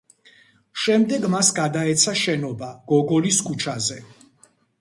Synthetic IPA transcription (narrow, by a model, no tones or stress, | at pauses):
ʃɛmd̪ɛɡmasɡad̪aɛt̪sʰaʃɛnɔbaɡ̥ɔɡɔliskʰut͡ʃʰazɛ